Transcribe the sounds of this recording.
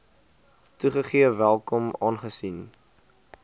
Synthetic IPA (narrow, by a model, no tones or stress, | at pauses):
tuχəχiəvælˠkɔmɑːnχəsin